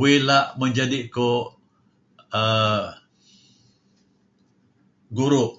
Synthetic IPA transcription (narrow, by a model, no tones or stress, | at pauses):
wɪlaʔmə̃ɲd͡ʒadiko | ə | ɡuɾʊʔ